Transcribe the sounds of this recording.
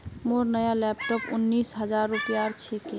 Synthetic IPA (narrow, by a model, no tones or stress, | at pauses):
moɾnəjalɛpʈɔpṵnːisɦəd͡ʒaɾːupijaɾt͡ʃʰeke